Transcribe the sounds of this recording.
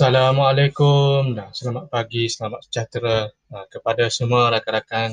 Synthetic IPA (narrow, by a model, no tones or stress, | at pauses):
salamalajkʊmnasəlamat̪̚paɡisəlamat̪̚sə̥d͡ʒat̪ɾa | əkəpadasəmuaɾakaɾakan